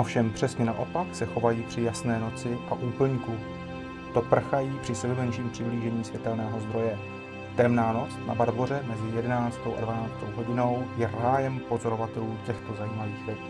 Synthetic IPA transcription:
ʔo̞fʃɛmpr̝̥ɛsɲɛna̰ʔo̞paksɛxo̞vajiːpr̝̥ɪjasnɛːno̞t͡sɪʔaʔuːpl̩ɲku | t̪o̞pr̩xajiːpr̥ɪsɛbmɛnʃiːmpr̥ɪbliːʒɛɲiːsvjɛt̪ɛlnɛːɦo̞zd̪ɾo̞jɛ | t̪ɛmnaːno̞t͡sna̰baɾborɛmɛzɪjɛdɛnaːt͡st̪o̞wʔa̰dvanaːt͡st̪owɦo̞ɟɪno̞wjɛraːjɛmpo̞zo̞ɾo̞vat̪ɛluːcɛxt̪o̞zajiːmaviːxvɛtː

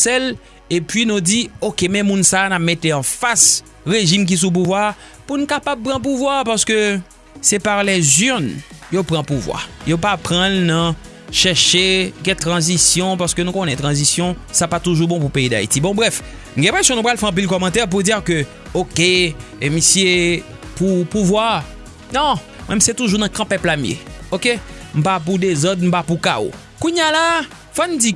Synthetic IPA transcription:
sɛl | epɥinũdiokemɛ̃mũnsaːnap̚met̪eɑ̃fas | ʁeʒimk̬is̬up̬uvwa | punũkapab̚pʁãp̬uvwapaʁsə̥kø | sɛpaʁlɛzyʁnjopʁãpuvwa̰jopapʁãlnɐ̃ | ʃɛʁʃeɡɛ̃t̪ʁɑ̃zisjɔ̃paʁskønũkonɛ̃t̪ʁɑ̃zisjɔ̃sapat̪uʒubɔ̃p̬upeid̪a̰ḭtibɔ̃bʁɛf | nuɡɛ̃ɛ̃pʁɛsjɔ̃nũpʁalfɛɑ̃p̬ilkɔmɑ̃t̪ɛʁp̬ud͡ziʁkø | okeemisije | pupuvwa | nɔ̃ | mwɛ̃mset̪uʒunɐ̃kɐ̃pɛplam̩jḛoke | m̩pap̬ud̪ezɔd̪̚m̩papukao̰ | kũɲjala | fɔnũd͡zi

